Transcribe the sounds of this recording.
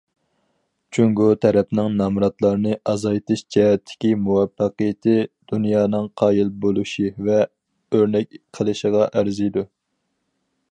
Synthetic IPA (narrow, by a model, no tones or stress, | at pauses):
t͡ʃʰyŋɡut̪ʰɛɾɛpnɪŋnɑmɾɑt̪lˠɑɾɨnɨʔɑzɑjt̪ʰɨʃt͡ʃʰɛt̪ʰːɪ̥kʲimuwɑpːəqijɪt̪ʰɪd̪̥unjɑːnɨŋqʰɑːjilbolˠuʃivɛ | øɾnɛkʲqʰəlˠɨʃəʁɑʔæɾzijd̪u